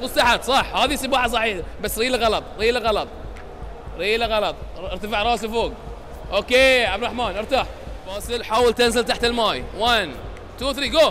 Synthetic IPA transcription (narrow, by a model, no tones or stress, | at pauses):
mʊst̪aħad̪sˤɑħhaːðisɪbɑːħas̬ˤɑħiːħabasːɾiːlaɣɑlɑt̪ˤɾiːlaɣɑlɑt̪ˤ | ɾiːlaɣɑlɑt̪ˤʔɪɾt̪afɪʕɾˤɑːsɪfoːɡ | ʔoːkeːʕabd̪ɾˤɑħmaːnʔɪɾt̪aħ | fɑːsɪlħaːwɪlt̪anzɪlt̪aħt̪ɪlmaːjwan | t̪uːθɾiːɡoː